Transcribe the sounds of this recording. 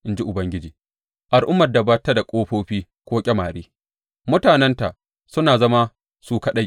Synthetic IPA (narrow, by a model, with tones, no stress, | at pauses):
ʔɪ˦nd͡ʒi˦ʔʊ˨bɐ˦ŋɡʲɪ˦d͡ʒiː˨ | ʔa˨lʔʊ˦mːɐ˨dɐ˨ba˦tːa˦da˨kʷʼoː˦ɸoː˦ɸiː˦ | kʷoː˦kʲʼɛ˦maː˨ɽeː˦ | mʊ˦taː˨nɛ˦nta˨ʔ | sʊ˦naː˨zɐ˦ma˦ | suː˦ka˦ɗa˦j